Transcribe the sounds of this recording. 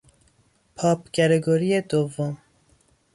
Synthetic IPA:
pʰɑːpɡɛɾeɡoɾijed̪ovːom

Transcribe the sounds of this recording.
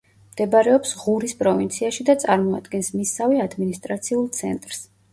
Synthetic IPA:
md̪̥ɛbaɾɛɔpsʁuɾispʼɾɔvint̪sʰiaʃid̪at̪sʼaɾmɔa̰d̪ɡɛnsmisːaviad̪minist̪ʼɾat̪sʰiulˠt̪sʰɛ̰nt̪ʼɾs

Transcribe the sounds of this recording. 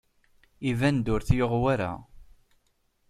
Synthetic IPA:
ivænd̪ʊɾθjoʁwaɾa̰

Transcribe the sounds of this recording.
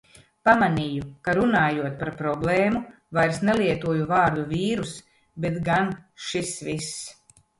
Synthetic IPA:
pamaniːjukaɾunaːjuɔt̪̚paɾpɾɔblˠɛːmu | vajɾsneliɛt̪uɔjuvaːɾd̪uviːɾus | bet̪ɡanʃisvis

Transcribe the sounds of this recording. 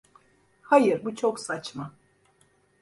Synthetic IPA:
hajɯɾbut͡ʃʰo̞ksat͡ʃma

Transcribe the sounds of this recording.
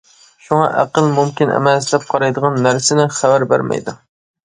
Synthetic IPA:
ʃuŋɑ̰ʔæ̰qəlˠmumkʲinʔɛ̰mɛslɛp̚qʰɑɾɑjd̪əʁɑnːæɾsɪnɪχævæɾbæ̰ɾmɛ̰jd̪u

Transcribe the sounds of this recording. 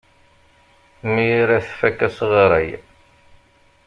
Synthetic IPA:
mijiɾæθfækːæsʁəɾˤəj

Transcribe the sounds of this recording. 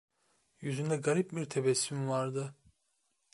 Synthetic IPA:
jyzynd̪ɛɡaɾip̚biɾt̪ʰebɛsːymvaɾd̪ɯ

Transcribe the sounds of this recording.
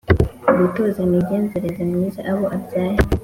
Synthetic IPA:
umitozemiɟeːnzeɾezemŋiːzaʔaβoʔabjaːhi

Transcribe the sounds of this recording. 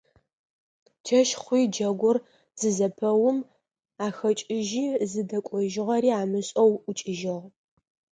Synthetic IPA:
t͡ʃʰɐʃχʷiːd͡ʒɐɡʷʊr | z̥ɨzɐpʰɐwʊm | aːxɐt͡ʃʼɪʒiːzɨdɐkʷʼɔʒɪʁɐɾiːaːmɨɕʼɐwʊt͡ʃʼɪʒɪʁ

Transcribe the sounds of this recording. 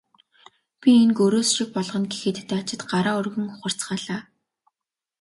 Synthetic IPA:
pʲienkɵɾoːsʃɪk̚pɔɮʁɞ̆nɡexɘ̆t̪t̪ʰːeːat͡ɕɪ̆t̪ɢaɾaːɵrɣɵ̆ŋʊχə̆r̥t͡sɢaːɮaː

